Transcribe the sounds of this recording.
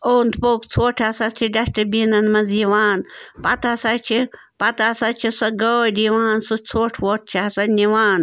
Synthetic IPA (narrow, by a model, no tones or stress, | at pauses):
oːnd̪poːkt͡sʰoːʈʰɐsɐt͡ʃʰiɖɐsʈibinɐnmɐziːʋaːnpɐt̪ɐsɐt͡ʃʰi | pɐt̪asɐt͡ʃʰisɐɡoɖiʋaːnsut͡sʰoːʈʰʋoːʈ̚t͡ʃʰiɐsɐniʋaːn